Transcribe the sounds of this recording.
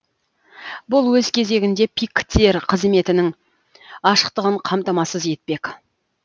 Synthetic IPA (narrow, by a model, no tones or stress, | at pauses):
bʊlˠwɵzkʲʰe̞ze̞ɡʲɪnd̪e̞pʰikt̪ʰeɾqʰəzme̞t̪ɪnɪŋ | ɑʃə̥qt̪əʁəɴqʰɑmt̪ɑmɑsəzje̞t̪̚pe̞k